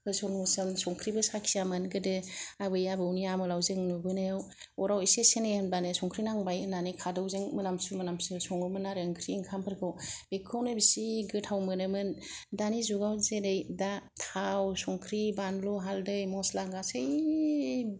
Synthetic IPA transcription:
hɯsɔŋmusɯnsɔŋkʰɾibɯsakʰijamɯnɡɯdɯabɯjabɯunijamɯlawzɯŋnubɯnajaw | ɔɾawisesenejɯnbanɯsɔŋkʰɾinaŋbajɯnanikʰadɯwzɯŋmɯnamsumɯnamsɯsɔŋɯmɯnːaɾŋkʰɾiːŋkʰampʰɯɾkʰɯwb̥ekʰɯwnɯbisiɡɯtʰawmɯnɯmɯndanizuɡawzedɯjdatʰawsɔŋkʰɾibanlɔɦaldɯjmɔslaŋɡasɯj

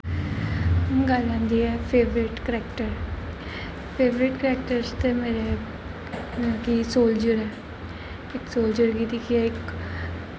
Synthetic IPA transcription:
ɡəlãːnd̪iːɛːpʰeːʋɾɪʈkɾɛːkʈəɾ | pʰeːʋɾɪʈkəɾɛːk̚ʈəɾst̪emeːɾe | ãːkisoːld͡ʒəɾɛː | ɪksoːld͡ʒəɾkiːt̪iːkʰiɛɪk

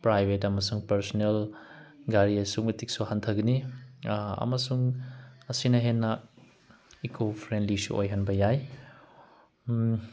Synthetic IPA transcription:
pɾajbʱetɐmɐsuŋpɐɾsonel | ɡaɾiɐsumɐtik̚suhantʰɐɡɐni | ɐ̰mɐsuŋɐsinɐɦenːɐ | ikʰopʰɾendlisṵʔo̰jɦanbɐjaj

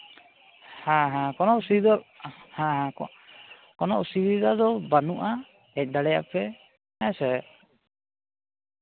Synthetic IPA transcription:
hãɦãkɔnɔʔsidɔhãɦã | kɔnɔʔsiɾid̪ad̪ɔbanuʔa | ɛc̚ˀd̪aɽɛja̰pɛ | asɛ

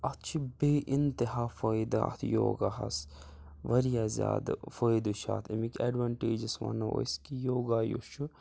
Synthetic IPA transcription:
ɐt̪t͡ʃʰibeːʔint̪iɦaːfɐjd̪aɐ̰t̪ʰjo̰ːɡaɦɐ̰s | ʋɐɾijaːzʲja̰ːd̪fɐjd̪uʃa̰ːt̪ʰimikʲɐɖʋɐɳʈeːd͡ʒisʋɐ̰nɐʔo̰skijoːɡaːjṵʃu

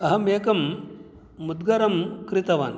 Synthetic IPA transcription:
ɐɦɐmeːkɐmː | ud̪ɡɐɾɐmkɾit̪ɐʋaːn

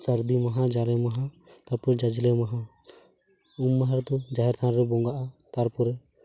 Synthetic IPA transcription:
sɐɾd̪imaɦad͡ʒalɛmaɦa | t̪aɾpɔɾɛd͡ʒad͡ʒilɛmaɦã | umːaɦaɾd̪ɔd͡ʒaɦɛɾt̪ʰaɾɾɛbɔŋɡaʔat̪aɾpɔɾɛ

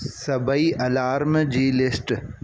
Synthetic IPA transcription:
sɐbɐiʔɐlaːɾmd͡ʒiːlɪsʈ

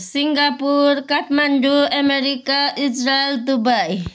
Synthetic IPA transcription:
siŋɡapuɾkat̪manɖuəmeɾikaʔid͡ʒɾaeld̪ubaj

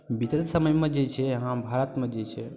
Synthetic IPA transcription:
bit̪ət̪səməjmə̃d͡ʒet͡ʃʰeɦãbʱaːɾət̪mə̃d͡ʒet͡ʃʰe

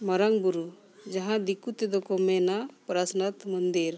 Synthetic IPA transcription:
mɐɾəŋbuɾu | d͡ʒɐɦãd̪ikut̪ed̪ɔkɔmɛnapɾasnat̪mənd̪iɾ

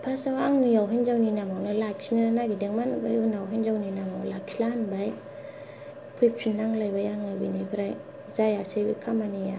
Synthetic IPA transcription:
pʰasawaŋnijawɦijnzawninaŋawnɯlak̚sinanaɡideŋmanubajunawɦinzawninaŋawlak̚silanbaj | pʰujpʰinːaŋlajbajaŋabinibɾaj | zajasajba̰kʰamanija

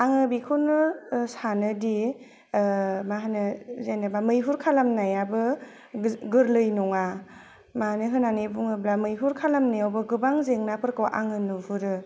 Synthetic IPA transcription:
aŋɯbikʰunɯsanɯdi | maɦanɯzenɯbamɯjɦuɾkʰalamnajabɯ | ɡɯɾlɯjnɔŋa | manɯɦɯnanebuŋɯblamɯjɦuɾkʰalamnajwbɯɡɯbaŋzeŋnapʰɯɾkɯwʔa̰ŋɯnɯhuɾɯ

